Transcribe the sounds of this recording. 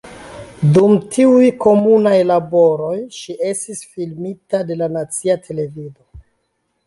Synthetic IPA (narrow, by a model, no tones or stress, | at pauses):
dumtʰiujko̞munajlabo̞ɾo̞jʃiʔe̞stisfilmitade̞lanat͡siatʰe̞le̞vido̞